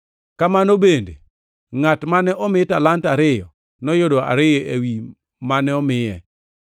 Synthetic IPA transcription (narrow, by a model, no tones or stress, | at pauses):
kamanobende | ŋatmanɛʔɔmɪtalantaɾɪjɔ | nɔjodoa̰ɾɪjɔʔewi | manɛɔmɪjɛ